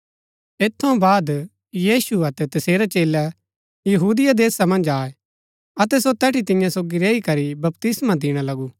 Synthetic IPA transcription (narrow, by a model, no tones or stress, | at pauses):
eːt̪ʰːõbaːd̪ | jiːsuɐt̪ɛt̪ɐseːɾɛt͡ʃeːlɛ | jɐɦuːd̪ɪjad̪eːsamɐ̃nd͡ʒaːe | ɐt̪ɛsot̪ɛːʈʰit̪ɪ̃jãsoːɡiɾɛːikɐɾibɐpt̪ɪsmad̪ɪɽ̃alɐɡuː